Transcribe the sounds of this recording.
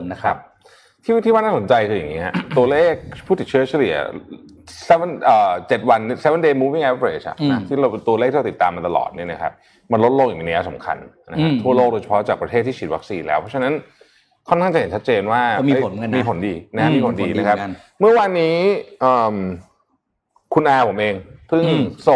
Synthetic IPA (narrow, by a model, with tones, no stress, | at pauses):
n˦˥kʰa̰˦˥p̚ | t̪ʰiː˥˩t̪ʰiː˥˩waː˥˩naː˥˩so˩˦nt͡ɕa˧jkʰɯː˧ja̰˨˩ŋi˦˥a˧t̪u˧ɐleː˥˩k̚pʰuː˥˩t̪i˨˩t͡ɕʰɯ˥ə˩t͡ɕʰa˧lḭ˨˩˦ɐ | snʔəː˨˩t͡ɕe˨˩t̪̚wa˧n˥sɛ˦˥we˧˦ndeː˧muː˧wi˥˩ŋʔɛ˦˥p̚ɾḛː˨˩t͡ɕa̰˨˩na˦t̪ʰiː˥˩ɾa˧wnt̪u˧leː˥˩k̪̚ʰiː˥˧˩i˨˩t̪ːaː˧ma˧t̪a˧lɔ̰ː˨˩t̪̚ni˥˩ɐna˦kʰa̰˦˥p̚ | ma˧nlo˦t̪̚lo˧ŋja˨˩i˧˩ni˦˥˩sa˩˦mkʰa̰˧n | na˦kʰa˦t̪ʰːu˥˩ɐloː˥˩k̚doː˧jsḁ˧pʰɔ˦˥t͡ɕaː˨˩k̚pɾa˧t̪ʰeː˥˩t̪ʰːiː˥˩t͡ɕi˨˩wa˦˥k̚siː˧nlɛː˦wpʰɔ˦˥t͡ɕʰa˧na˦n | kʰɔ˥˩kʰa˥˩t͡ɕa˨he˩˦nt͡ɕʰa˦˥t̪t͡ɕeː˧nwaː˥˩˧mi˧˦˥na˧miː˧pʰo˨˩˦ndiː˧na˦˥a˦˥miː˧pʰo˨˦ndiː˨˧na˦˧˥kʰa˦˥ | mɯ˥˩ɐwaː˧nːiː˦˥ʔəː˨˩m | kʰu˧nʔaː˧pʰo˩˦mʔeː˧ŋpʰɯ˥˩ŋso˨˩